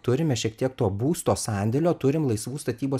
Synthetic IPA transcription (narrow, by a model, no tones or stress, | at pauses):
t̪ʊɾʲɪmʲɛʃʲiɛkt̪ʲiɛkt̪oːbuːst̪oːsɑːnʲd̪ʲɛlʲoːt̪ʊɾʲɪmlˠɐɪsʋuːst̪ɐt̪ʲiːboː